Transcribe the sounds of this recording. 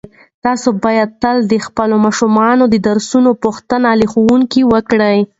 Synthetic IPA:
t̪ɑsobɑjad̪̚t̪əld̪əxpəlomɑʃumɑnod̪əd̪aɾsunopuxt̪ənalixowuŋkiwəkɽəj

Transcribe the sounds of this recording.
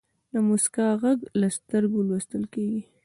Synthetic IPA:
d̪əmuskɑɣaɡlast̪əɾɡolwəst̪əlkeɡi

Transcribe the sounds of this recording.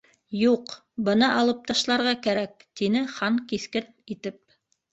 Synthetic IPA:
juq | bɤ̆nɑʔɑlˠɤ̆p̚t̪ɑʃlˠɑɾʁɑkæɾæk̚t̪inɘχɑŋkiθkɘnit̪ɘp̚

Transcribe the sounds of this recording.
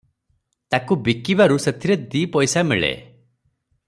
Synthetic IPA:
t̪akubikibaɾuset̪ʰiɾed̪ipɔjsamiɭḛ

